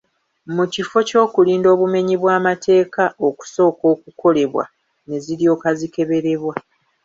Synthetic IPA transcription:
mucifo̞co̞ːkuliːndo̞ːβume̞ɲiβwaːmatʰe̞ːkao̞ku̥so̞ːko̞ːkukʰo̞le̞βwa̰ | ne̞ziɾjo̞ːkazike̞βe̞ɾe̞βwa

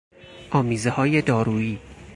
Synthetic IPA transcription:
ʔɒːmiːzehɒːje̞d̪ɒːɾuːiː

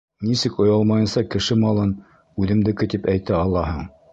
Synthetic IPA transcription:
nisɘkŏjɑlˠmɑjɤ̆nsɑkɘ̆ʃɘmɑlˠɤn | ʉðɘ̆md̪ɘ̆kɘt̪ipæjt̪æɑlˠːɑɦɤɴ

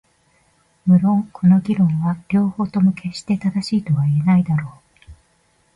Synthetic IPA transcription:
mɯ̟ɾõ̞ŋkʰo̞no̞ɡʲiɾõ̞ɰ̃βaɾʲo̞ːho̞ːt̪o̞mo̞kʰe̞ɕi̥t̪e̞t̪ad̪aɕiːt̪o̞βaie̞naid̪aɾo̞ː

